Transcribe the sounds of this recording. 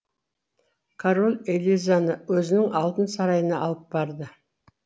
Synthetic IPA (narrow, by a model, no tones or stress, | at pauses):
kʰaɾo̞lʲˠelʲijzanəwɵzɪnɪŋɑlˠt̪ənsɑɾɑjənɑɑlˠəp̚bɑɾd̪ə